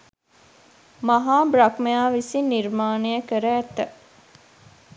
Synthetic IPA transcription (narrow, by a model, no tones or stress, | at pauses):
maɦaːbɾakmejaːʋisiniɾmaːnejəkəɾæːt̪ːə